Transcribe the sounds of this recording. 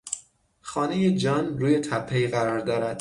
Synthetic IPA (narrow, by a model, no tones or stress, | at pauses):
xɒːne̞jed͡ʒɒːnɾuːje̞t̪ʰæpʰːeiːɣæɾɒːɾd̪ɒːɾæd̪̥